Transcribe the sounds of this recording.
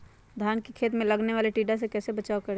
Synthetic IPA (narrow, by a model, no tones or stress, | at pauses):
d̪ʱaːnkikʰeːt̪mẽlɐɡneʋaːleʈiːɖas̬ekɛːsebɐt͡ʃaːokɐɾe